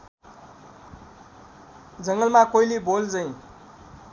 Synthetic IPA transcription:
d͡zʌŋɡʌlmakoilibold͡zʌj̃

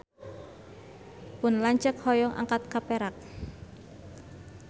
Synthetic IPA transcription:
pʊnlaɲt͡ʃəkhɔjɔŋʔa̰ŋkat̪̚kapeɾak̚

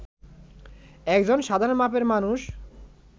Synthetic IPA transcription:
ɛkd͡ʑonʃad̪ʱaɾonmapeɾmanuʃ

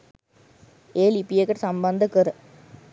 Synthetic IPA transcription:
eːlipːijekːɐʈsɐmbɐnd̪ɯkːɯɾɯ

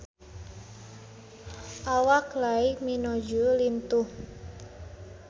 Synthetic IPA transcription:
ʔawaklaiminɔd͡ʒulint̪uh

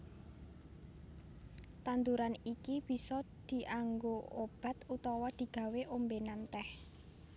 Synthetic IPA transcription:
t̪ant̪uɾanikib̥i̤sɔd̪̥i̤ʔaŋɡoob̥a̤t̪ut̪ɔwɔd̪̥i̤ɡ̥ä̤weʔombenant̪ɛh

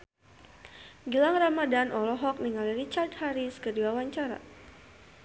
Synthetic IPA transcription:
ɡilaŋramadanʔɔlɔɦɔk̚niŋalirit͡ʃart̚haɾiskədiwawaɲt͡ʃaɾa̰

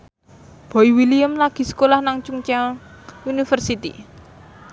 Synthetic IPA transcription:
b̥ɔ̤iwiliəmlaɡ̥i̤sə̥kolahnaŋt͡ʃuŋt͡ʃaŋunifərsit̪ḭ

